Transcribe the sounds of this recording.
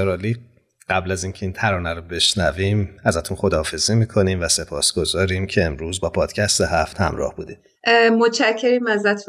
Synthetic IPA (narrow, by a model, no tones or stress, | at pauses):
eɾɒːliː | ɢ̥æblæziːncʰeiːnt̪ʰæɾɒːnæɾɔbe̞ʃnæviːmæzæt̪ʰunχo̞d̪ɒːfe̞zimiːkʰo̞niːmvæse̞pʰɒːsɡ̥o̞zɒːɾiːmcʰe̞ːmɾuːzbɒːpʰɒːd̪̥cʰæst̪eɦæft̪hæ̰mɾɒ̰ːhb̥uːd̪i̥ | mot͡ʃʰæcʰːeɾiːmæzæt̪ʰu